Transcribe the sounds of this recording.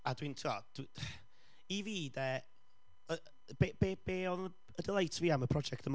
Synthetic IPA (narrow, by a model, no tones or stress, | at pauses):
adwintʰuad̥i | iviːdɛː | ə | bebeːb̥eːɔnə | ədɛlˠajtʰəviːaməpʰrɔd͡ʒɛk̚təm